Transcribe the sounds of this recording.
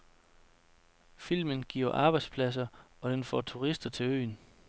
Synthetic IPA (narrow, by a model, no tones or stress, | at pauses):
fil̰mənɡ̥ḭːɐʔɑ̈ːb̥ɑ̈ɪd̥spʰlæs̬ɐɒ̽d̥enfɒ̰ːt͡sʰuʁisd̥ɐt͡sʰe̝lø̰ːn